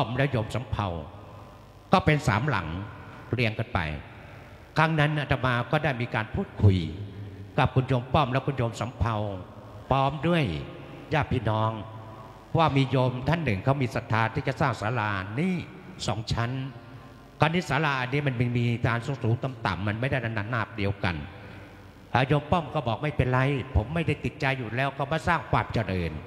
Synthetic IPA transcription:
pɔ˥˩mlɛː˦˥wjo˧msa˨˦mpʰa̰˧w | kɔː˥˩pe˧nsa̰ː˩˦mla̰˩˦ŋ | ɾi˧əŋka˧npa̰˧j | kʰa˦˥ŋna˦˥nʔa˧˩t̪ʰa˧maː˧kɔː˥˩daː˥˩jmiː˧kaː˧npʰuː˥˩t̪̚kʰu˧j | ka˨˩p̚kʰu˧njo˧mpɔ˥˩mlɛː˦˥wkʰu˧njo˧msa˨˩˦mpʰa˧w | pʰɔː˦˥mdu˥˩əj | jaː˥˩p̚ʰːiː˧˥˩nɔː˦˥ŋ | waː˥˩miː˧jo˧mt̪ʰa˥˩nːɯ˨˩ŋkʰa˦˥wmiː˧sa˨˧˩t̪ʰːaː˧nt̪ʰiː˥˩t͡ɕa˨˩saː˥˩ŋsaː˨˦˥laː˧ʔniː˦˥˩ | sɔː˩˦ŋt͡ɕʰa˦˥n | kʰaː˧˩niː˦˥saː˨˦laː˧ʔa˧nːiː˦˥ma˧nm˧miː˧kaː˧nsu˨˧˦suː˨˦ŋt̪a˧mt̪a̰˨˩mːa˧nma˥˩jda˥˩na˧naː˧˩nːaː˥˩p̚di˧əwka̰˧n | laː˦˧˥joː˧mpɔ˥˩mkɔː˥˩bɔː˨˩k̚ma˥˩jpe˧nɾa˧jpʰo˩˦mːa˥˩jda˥˩jt̪i˨˩t̪̚t͡ɕa˧jːuː˨˩lɛː˦˥wkʰa˦˥˩wmaː˧˥˩saː˥˩ŋkʰwaː˧mt͡ɕa˧ɾɤː˧n

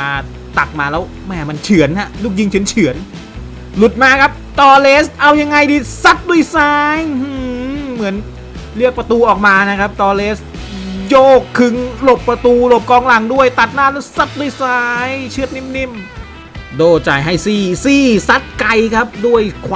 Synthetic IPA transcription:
a˧ | t̪a˨˩k̚maː˧lɛː˦˥w | mɛː˧˩ma˧nt͡ɕʰɯ˩˦ənha˦˥luː˥˩k̚ji˧ŋt͡ɕʰɯ˨˩˦ənt͡ɕʰɯ˨˩˦ən | lu˨˩t̪̚maː˧kʰa˦˥p̚t̪ɔː˧leː˦˥st̪̚ʔa˧wja˧ŋːa˧jdiː˧sa˦˥t̪̚du˧˥˩əjsaː˦˥jhɯ˧mɯ˩˦ən | lɯ˥˩ək̚pɾa˧t̪uː˧ʔɔː˨˩k̚maː˧na˦˥kʰa˦˥p̚t̪ɔː˧leː˦˥st̪joː˥˩kʰːɯ˧ŋlo˨˩pːɾa˧t̪uː˧lo˨˩p̚kɔː˧ŋla˨˩˦ŋdu˥˩əjt̪a˨˩t̪̚naː˥˩lɛː˦˥wsa˦˥t̪̚du˥˩˨jsaː˦˥jt͡ɕʰɯ˥ət̪̚ni˥˩mni˥˩m | doː˧˩t͡ɕaː˨˩jɦa˥˩jsiː˥˩siː˥˩sa˦˥t̪̚ka˧jkʰa˦˥p̚du˥˩əjkʰwa

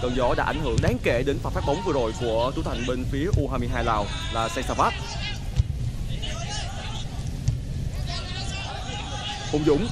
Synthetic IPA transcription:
t̪əː˧˩nzɔ˨˦ɗa̰ː˧˥ʔa˧˩jhɨ˧˩əŋɗaː˨˦ŋke˧˩ɗe˨˦nfaː˨˩faː˦˥k̚ɓə˨˦wŋ͡mvɨ˧əzo˨˩jku˧˩ət͡ɕ̪u˧˦t̪ʰa˨˩jŋ̟ɓe˧nfi˨˦əʔu˧ɦaː˧jmi˧jɦaː˧jlaː˨˧˩w | laː˨˩sɛ˧saː˧˩vaː˦˥t̚ | ho̰˨˩ŋ͡mzʊ̰˧˥ŋ͡m

